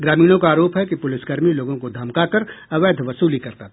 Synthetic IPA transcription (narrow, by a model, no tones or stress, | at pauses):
ɡɾaːmiːñõkaaːɾoːpɦɛkipʊlɪsɡɐɾmiloːɡõkod̪ʱɐmkakɐɾɐʋeːd̪ʱʋɐsuːlikɐɾt̪a